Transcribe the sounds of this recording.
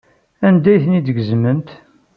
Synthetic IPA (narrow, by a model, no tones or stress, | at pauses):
ænd̪æjθnid̪əɡəzmənt̪